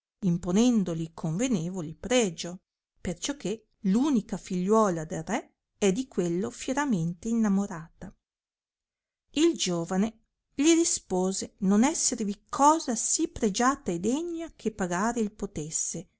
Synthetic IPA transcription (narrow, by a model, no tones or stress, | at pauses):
imponɛnd̪olikʰoɱveneːvolipɾɛːd͡ʒo | pert͡ʃɔkʰːe | luːnikafiʎːwɔːlad̪elrɛ | ɛd̪ikwelːofjeɾament̪einːamoɾaːt̪a | ild͡ʒoːvane | ʎiɾispoːzenonɛsːervikʰɔːzasipɾed͡ʒaːt̪aed̪eɲːakʰepːaɡaːɾeilpot̪esːe